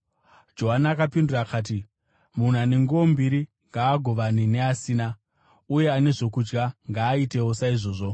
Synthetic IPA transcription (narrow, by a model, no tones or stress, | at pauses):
d͡ʒo̞ɦanaakapindurakaːt̬i | mun̤aneŋɡombiɾi | ŋɡaːɡʱo̞ʋanine̞asiːna | uje̞ane̞ʐo̞kud͡ʒɡaŋɡaːite̞wo̞saiʐo̞ːʐo̞